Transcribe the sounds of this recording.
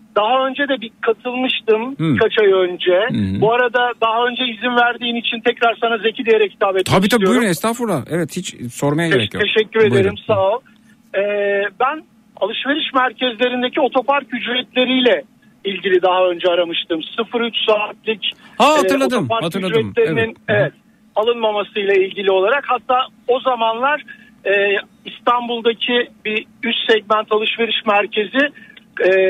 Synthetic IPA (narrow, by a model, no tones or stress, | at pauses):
d̪̥aɦaø̞nd͡ʒɛd̪ɛbikʰat̪ʰɯlˠmɯʃt̪ɯmkʰat͡ʃʰajønd͡ʒɛbuaɾad̪ad̪aɦaø̞nd͡ʒɛizinvæɾd̪iːnit͡ʃʰint̪ʰɛcɾaɾsanazecʰid̪ejeɾɛcʰi̥t̪ʰaːbet̪ʰabiʃt̪ajujɾɛst̪ʰafuɾlaʔɛvɛt̪hit͡ʃso̞ɾmajaɾɛj̪ʰeʃɛcːyɾed̪eɾimsalˠ | ɛːbæn | a̰lˠɯʃve̞ɾiʃmæɾcʰɛzlʲe̞ɾind̪e̞cʰio̞t̪ʰo̞paɾcyd͡ʒɾɛt̪lʲe̞ɾijlʲɛ | ilʲɟilʲid̪aɦaø̞nd͡ʒɛaɾamɯʃt̪ɯmsɯfɯɾyt͡ʃsaːt̪̚lʲic̪ːˠ | d̪opaɾyd͡ʒɾɛt̪lʲe̞ɾininevɛt̪̚ | alˠɯnmamasɯjlˠailʲɟilʲio̞lˠaɾakhat̪ʰːaː | o̞zamanlˠaɾ̥ | ɛː | ist̪ʰanbulˠd̪acʰibi | yt͡ʃ̪sɛɟmænt̪ʰalˠɯʃve̞ɾiʃmæɾcʰe̞ziɛː